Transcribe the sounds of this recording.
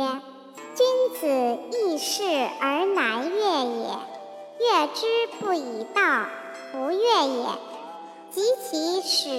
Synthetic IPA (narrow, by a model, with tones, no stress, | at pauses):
i˥nt͡sɹ̩˨˩i˥˧ʂɻ̩˥˩ə˞˧˥na˧˥ɪɥɛ˥˩jɛ̰˨˩˦ | ɥɛ˥˩ʈ͡ʂɻ̩˥pu˥˩i˨˩t̪ɑ˥˩ʊ | t̪ʰu˧˥ɥɛ˥˩jɛ̰˨˩˦ | t͡ɕi˧˥t͡ɕʰi˧˥ʂɻ̩˨˩